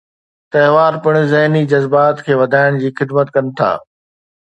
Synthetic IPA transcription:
t̪ɐɦʋaːɾpɪɽ̃zɐɦnid͡ʑɐzbaːt̪kʰeːʋɐd̪ʱaːɪɽ̃d͡ʑiːxɪd̪mət̪kɐnɪ̆t̪ʰa̰ː

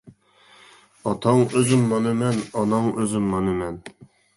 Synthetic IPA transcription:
ɑt̪ʰɑŋøzymːɑnɨmɛnɑnɑŋøzymːɑnɨmɛn

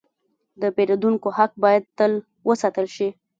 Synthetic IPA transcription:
d̪əpeɾod̪uŋkohak̚bɑjad̪̚t̪əl | wəsat̪əlʃi

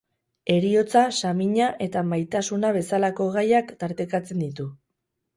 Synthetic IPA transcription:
e̞ɾio̞t͡sasamiɲaʔe̞t̪amajt̪asunaβ̞e̞salako̞ɣajakt̪aɾt̪ekat͡se̞nd̪it̪u

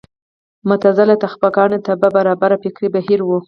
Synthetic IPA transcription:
mʊt̪azalat̪axpakɑnet̪ababaɾɑbaɾapekɽibahiɾwu

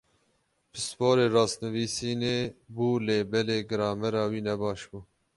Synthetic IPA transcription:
bɨspoːɾeːɾɑːsnɨviːsiːneːbuːleːbɛleːɡɨɾɑːmɛɾɑːwiːnɛbɑːʃbuː

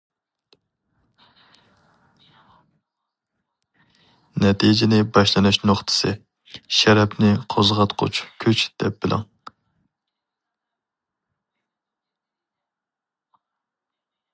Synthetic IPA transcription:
nɛt̪ʰid͡ʒɪnɪbɑʃlˠɨnɨʃnoχt̪ʰɨ̥sɨ | ʃɛɾɛpnɪqʰozʁɑt̪qʰʊ̰t͡ʃʰkʲʰyt͡ʃd̪̥ɛp̚b̥ɪlˠʔɪ̰ŋ

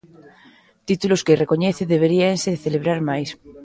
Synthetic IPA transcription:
t̪it̪uloskereko̞ɲeθeðeβ̞eɾienseθeleβ̞ɾaɾmajs

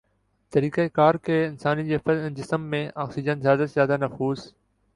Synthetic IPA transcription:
t̪ɐɾiːkeekaːɾkʰeːɪnsaːnid͡ʑeːfd͡ʑɪsəmːẽʔaːksɪd͡ʑənzjaːzət̪zjaːd̪anɐfuːz

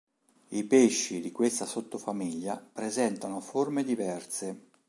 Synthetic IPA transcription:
ipeʃːid̪ikwest̪asot̪ːofamiʎːapɾezɛnt̪anoformed̪ivɛrse

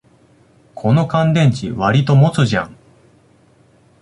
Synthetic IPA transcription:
kʰo̞no̞kãnd̪ẽ̞ɲ̟t͡ɕiβaɾʲit̪o̞mo̞t͡sɨʑã̰ŋ

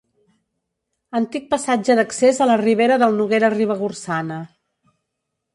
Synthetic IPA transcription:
ənt̪ik̚pəsad͡ʒəðəksezələriβ̞eɾəðəlˠnuɣeɾəriβ̞əɣursanə

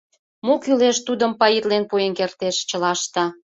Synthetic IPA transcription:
mokyleʃt̪ud̪ə̆mpɑjit̪lenpuenkert̪eʃt͡ɕə̆lɑʃt̪ɑ

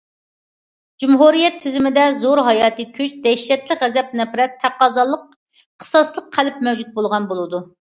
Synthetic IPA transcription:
d͡ʒumɦuɾijɛt̪ʰːyzymɪd̪ɛzoɾɦɑjɑːt̪ɨkʲʰyt͡ʃd̪ɛʃɛt̪lɪʁɛzɛp̚nɛpɾɛt̪ʰːæqɑːzɑlˠːəq̚ | qʰə̥sɑslˠəqqʰːælɪp̚mɛwd͡ʒut̪̚bolˠʁɑnbolˠɨd̪u

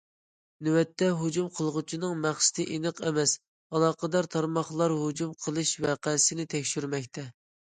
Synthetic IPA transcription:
nywɛt̪ʰːɛɦud͡ʒumqʰəlˠʁʊt͡ʃʰinɨŋmæχsɪ̥t̪ʰɪʔinɨqʰɛmɛs | ɑlˠɑːqəd̪ɑɾt̪ʰɑɾmɑχlˠɑɾɦud͡ʒumqʰəlˠɨʃvɛqʰæsɪnɪt̪ʰɛkʲʃyɾmɛkʲt̪ʰɛ

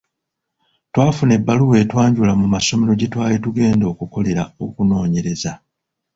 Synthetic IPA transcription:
twaːfune̞bːaluwe̞ːtwaːɲɟulamumaso̞me̞ɾo̞ɟetwaːlituɡe̞ːndo̞ːkuko̞le̞ɾao̞̰kuno̞ːɲe̞ɾe̞za

